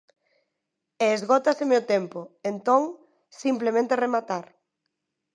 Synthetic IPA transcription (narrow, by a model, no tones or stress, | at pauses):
eːzɣɔt̪asemeot̪empoent̪ɔŋ | simplemẽnt̪eremat̪aɾ